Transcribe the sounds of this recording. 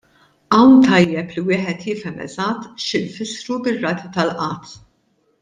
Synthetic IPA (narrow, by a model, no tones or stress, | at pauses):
ʔɐwnt̪ɐjjːɛpliwɪːħɛt̪jɪfɛmɛ̰zɐt̪ːʃɪnfɪsɾubɪrːɐːt̪it̪ɐlʔɐːt̪